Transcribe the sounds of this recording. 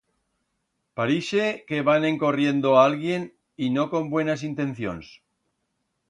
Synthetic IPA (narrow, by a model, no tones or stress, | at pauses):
paɾiʃeke̞βanẽ̞ŋko̞rje̞nd̪oaalɣje̞n | ino̞ko̞mbwe̞nas̬int̪ẽ̞n̟θjo̞̰ns